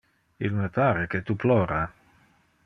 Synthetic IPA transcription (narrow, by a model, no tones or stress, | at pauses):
ilmepaːɾeket̪uplɔːɾa